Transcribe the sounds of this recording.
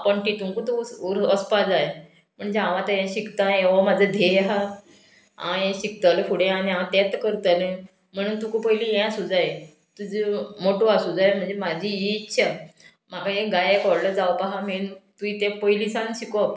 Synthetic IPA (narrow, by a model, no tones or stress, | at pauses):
pəɳʈit̪ũŋkut̪uuɾəspad͡zaj | m̤əɳd͡ʑeãʋãt̪ajɛ̃ɕikt̪ãeʋamad͡zʱəd̪ʱejɦa | ã̰jɛ̃ɕik̚t̪alfuɽẽaniããt̪et̪kəɾt̪ale | m̤əɽ̃uːnt̪ukupəilijɛ̃asud͡zaj | t̪ud͡zəmoʈuasud͡zajm̤əɳd͡zemad͡ʑʱijiːtːɕʰa | m̤akaeɡajekɔɾləd͡zawpaɦamint̪uit̪ɛ̃pəjlisanɕikɔ